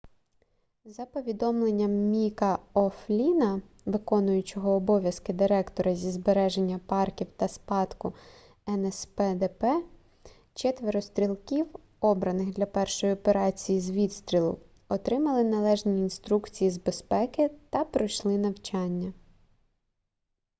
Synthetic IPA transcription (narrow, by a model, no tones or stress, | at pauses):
zɐpɔʋʲid̪ɔmlˠenʲːɐmːʲikɐɔflʲinɐ | ʋɪkɔnʊjʊt͡ʃɔɦɔːbɔʋʲjɐskɪd̪ɪɾɛkt̪ɔɾɐzʲizbeɾɛʒenʲːɐpɑrkʲiwt̪ɐspɑd̪kʊ | ɛnɛspɛd̪ɛpɛ | t͡ʃɛt̪ʋeɾɔst̪ɾʲilˠkʲiw | ɔbɾɐnɪɣd̪lʲɐpɛrʃɔjiɔpeɾɑt͡sʲijizʋʲid̪st̪ɾʲilˠʊ̰ | ɔt̪ɾɪmɐlˠɪnɐlˠɛʒnʲiːnst̪ɾukt͡sʲijizbe̞spɛkɪt̪ɐpɾɔjʃlˠɪnɐwt͡ʃɑnʲːɐ